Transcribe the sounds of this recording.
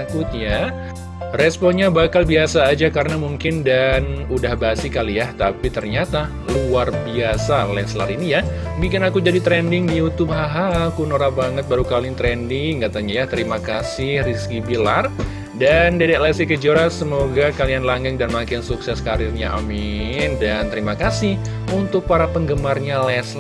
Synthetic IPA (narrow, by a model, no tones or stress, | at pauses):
kʊt̪̚ja | rɛspɔnɲabakalbiasaːd͡ʒakarnamuŋkɪndanudahbasɪkalijaht̪apit̪ərɲat̪a | luarbiasalɛsla̰ɾinija | bik̬ɪnakud͡ʒadit̪ɾɛndɪŋdijut̪ʊbɦaɦakunoɾabaŋət̪̚baɾukalɪŋt̪ɾɛndɪŋkat̪aɲajaht̪əɾimakasɪhriskibila̰r | dandedɛʔlɛsikəd͡ʒoɾasəmoɡakalianlaŋɡəŋdanmakɪnsuksɛskaɾɪrɲa̰ʔa̰mindant̪əɾimakasɪh | unt̪ʊk̚paɾapəŋɡəmarɲalɛsl